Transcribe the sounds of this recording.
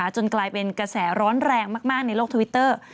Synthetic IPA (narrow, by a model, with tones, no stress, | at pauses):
a˦t͡ɕo˧nklaː˧jpe˧nkɾa˧sɛː˩˦ɾɔː˦˥nɾɛː˧ŋmaː˥˩k̚maː˥˩k̚na˧jloː˥˩k̚t̪ʰwi˦˥t̪ːɤː˥˩